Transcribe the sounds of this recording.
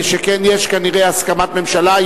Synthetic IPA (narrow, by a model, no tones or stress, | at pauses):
ʃekenjeʃkaniʁeaskamat̪me̞mʃala